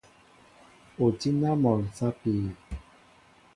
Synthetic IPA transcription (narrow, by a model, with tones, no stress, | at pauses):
o˨ti˦na˦mɔ˨n˨sa˦piː˨